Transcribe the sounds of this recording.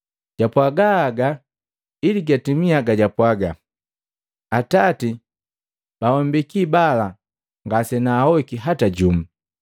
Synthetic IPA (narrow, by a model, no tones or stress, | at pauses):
ɟ̥apwaɡaːɡa | iliɡatimiaɡaɟapwaɡa | atati | b̥awɔmbikibala | ŋɡasɛnaːhɔkiɦataɟum̩